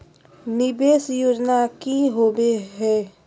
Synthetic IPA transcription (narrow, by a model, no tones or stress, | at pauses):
nɪbeːsjoːd͡ʒnakiɦoːbeɦɛː